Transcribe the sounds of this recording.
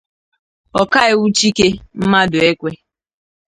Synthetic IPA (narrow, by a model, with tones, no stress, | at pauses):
ɔ˨ka˦ɪ˦wu˦t͡ʃi˦ke˦m̩˦ma˦dʊ˨e˦kʷe˦